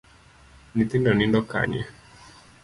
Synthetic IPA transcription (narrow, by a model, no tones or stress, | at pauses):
nit̪indɔnindɔka̰ɲɛ̰